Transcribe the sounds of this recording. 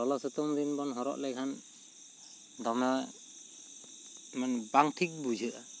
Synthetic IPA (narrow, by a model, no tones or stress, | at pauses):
ɔlasɯt̪ɔmɾinbɔnɦɔɾɔ̰ʔlɛkʰan | d̪ɔmɛ | manbaŋtʰik̚bud͡ʒʱɯʔa